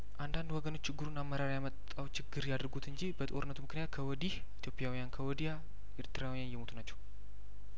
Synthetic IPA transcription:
ʔand̪and̪wɔɡəno̞t͡ʃːt͡ʃːɪɡːɨɾunamːəɾaɾjamət̪ʼːawt͡ʃʰɪɡːɨɾjad̪əɾɡut̪ʰɨɲd͡ʒibət̪ʼo̞ɾɨnːət̪umɨknɨjat̪̚kʰəwɔd̪ih | it̪jo̞pʼjawijankʰəwɔd̪ija | ʔɪɾt̪ʰɨɾawijanjɛmo̞t̪unat͡ʃːɛw

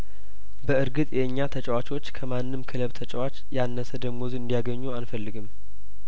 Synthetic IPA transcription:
bəɨɾɡɨt̪ʼjɛɨɲːat̪ʰət͡ʃʼəwat͡ʃo̞t͡ʃːkʰəmanːɨmkʰɨləβt̪ʰət͡ʃʼəwat͡ʃjanːəsəd̪əɡmozɨnd̪ijaɡəɲːuanfəlːɨɡɨm

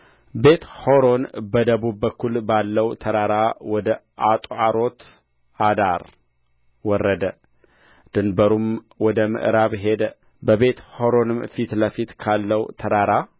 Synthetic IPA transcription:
be̞t̪ho̞ɾo̞nbəd̪əβubːəkʰːulbalːəwt̪ʰəɾaɾawɔd̪əʔat̪ʼʔaɾo̞t̪ | ad̪aɾ | wɔrːəd̪ə | d̪̥ɨnbəɾum | wɔd̪əmɨ̰ʔɾaβɦe̞d̪ə | bəβe̞t̪ho̞ɾo̞nɨmfit̪ləfit̪kʰalːəwt̪ʰədaɾa

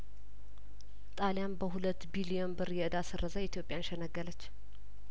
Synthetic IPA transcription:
t̪ʼaljambəhulət̪ːbilijo̞nbɨɾjɛʔɨd̪asɨrːəzajit̪jo̞pʼjanʃɛnəɡːələt͡ʃː

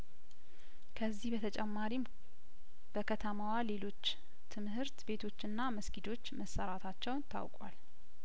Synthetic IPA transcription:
kʰəzːihbət̪ʰət͡ʃʼɛmːaɾim | b̥əkʰət̪ʰəmawale̞lo̞t͡ʃː | t̪ʰɨmhɨɾt̪be̞t̪ʰo̞t͡ʃːɨnːaməskid̪o̞t͡ʃːməsːəɾat̪ʰat͡ʃːɛwnt̪ʰa̰wkʼa̰l

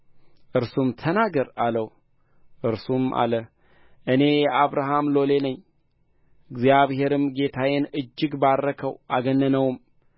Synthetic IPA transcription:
ʔɨɾsumt̪ʰənaɡəɾaləw | ʔɨɾsumʔa̰lə | ʔɨne̞jɛʔaβɾaɦamlo̞le̞nəɲː | ɨɡzjaβhe̞ɾɨmɡe̞t̪ʰawenɨd͡ʒːɨɡbaɾːəkʰəwʔaɡənːənəwʊm

